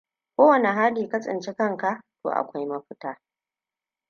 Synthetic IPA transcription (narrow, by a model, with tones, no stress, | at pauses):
kʷoː˦wɐ˨ne˨ɦa˦diː˨ka˦sʼɪ̰˨nt͡ʃi˦kɐ˦˨ŋka˦˨ʔto̰ː˨ʔa̰˨kʷa˦jmɐ˦ɸɪ˦taː˦